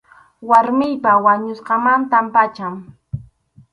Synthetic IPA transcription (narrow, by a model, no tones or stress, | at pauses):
waɾmɪjpawaɲʊsqɑmant̪ampat͡ʃaŋ